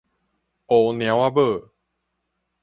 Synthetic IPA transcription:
o˨˩nj̃ã˨˦wa˧bə˥˨

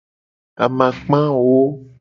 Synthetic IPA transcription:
a̰˨mã˨k͡pã˦wo˦

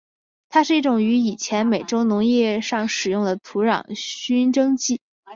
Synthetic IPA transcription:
t̪ʰa˥ʂɻ̩˥˧i˥˩ʈ͡ʂʊ˨˩ŋy˧˥i˨˩t͡ɕʰjɛ˧˥nme˨˩ɪʈ͡ʂo˥ʊnʊ˧˥ŋjɛ˥˧ʂɑ˥˩ŋʂɻ̩˨˩jʊ˥˩ŋd̪ə˩t̪ʰu˧˥ɻɑ̰˨˩ŋɕy˥nʈ͡ʂɤ˥ŋt͡ɕi˥˩

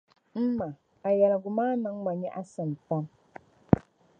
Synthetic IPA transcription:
m̩˦ma˨ | a˨jɛ˨lɡʊ˨maː˦nɨ˦ŋma˨ɲɛ˦ʔa˦sɨ˨n˨pa˦m

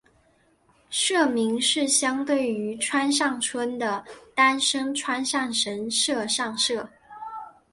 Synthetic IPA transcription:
ʂɤ˥˩mi˧˥ŋʂɻ̩˥˩ɕjɑ˥ŋt̪we˥˩ɪy˧˥ʈ͡ʂʰwa˥nʂɑ˥˩ŋʈ͡ʂʰwə˥nd̪ə˨t̪a˥nʂɤ˥ŋʈ͡ʂʰwa˥nʂɑ˥˩ŋʂə˧˥nʂɤ˥˧ʂɑ˥˧ŋʂɤ˥˩

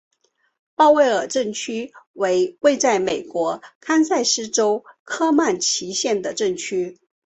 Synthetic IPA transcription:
pɑ˥˧ʊwe˥˧ɪə˞˨˩ʈ͡ʂə˥˩ŋt͡ɕʰy˥we˧˥ɪwe˥˧t͡sa˥˩ɪme˨˩ɪkwɔ˧˥kʰa˥nsa˥˧ɪʂɻ̩˥ʈ͡ʂo˥ʊkʰɤ˥ma˥˩nt͡ɕʰi˧˥ɕjɛ˥˩nd̪ə˩ʈ͡ʂə˥˩ŋt͡ɕʰy˥

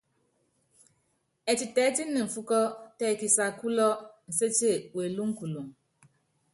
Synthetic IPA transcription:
e˨ti˨tɛ˨˦ti˦ni˨fu˦kɔ˦tɛ˦˨ki˨sa˨ku˦lɔ˦n̩˨se˦t͡ʃe˦˨we˨lu˦ŋ̩˦ku˨lu˨ŋ

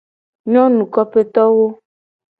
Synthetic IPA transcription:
ɲɔ̃˦nũ˨kɔ˦pe˦t̪ɔ˦wo˦

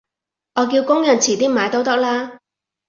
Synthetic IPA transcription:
ʔɔː˨˧k̬iː˧wkʊ˥ŋjɐ˨˩nt͡sʰiː˨˩t̪iː˥maː˨˧jt̪o˧˥wt̪ɐ˥k̚laː˥

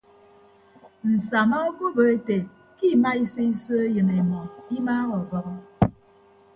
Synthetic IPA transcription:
n̩˨sa˨ma˦o˦ko˦bə˨e˦te˨ | ki˦˨ma˦i˦se˦i˦so˦e˦jɨ˨ne˨mɔ˨i˦maː˦ɣɔ˨bɔ˨ɣɔ˦

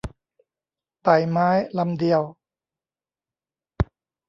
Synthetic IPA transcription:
t̪a˨˩jmaː˦˥jla˧mdi˧əw

